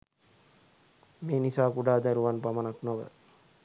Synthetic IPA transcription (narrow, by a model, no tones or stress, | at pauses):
meːnisaːkuɖaːd̪æɾuʋanpamanaknoʋə̰